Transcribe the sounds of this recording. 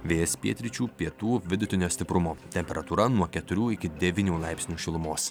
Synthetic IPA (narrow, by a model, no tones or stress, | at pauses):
ʋʲeːjɛspʲiɛt̪ʲɾʲɪt͡ʃʲuːpʲiɛt̪uːʋʲɪd̪ʊt̪ʲɪnʲoːsʲt̪ʲɪpɾʊmoːt̪ʲɛmʲpʲɛɾɐt̪uːɾɐnuɔkʲɛt̪ʊɾʲuːɪkʲɪd̪ʲɛʋʲiːnʲuːlˠɑɪpʲsʲnʲuːʃʲɪlˠʊmoːs